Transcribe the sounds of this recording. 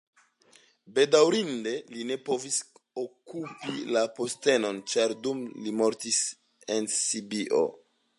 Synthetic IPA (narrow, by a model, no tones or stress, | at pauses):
be̞dawɾinde̞line̞po̞visokupilapo̞ste̞no̞nt͡ʃaɾdumlimo̞ɾtis | e̞nsibiʔo̞̰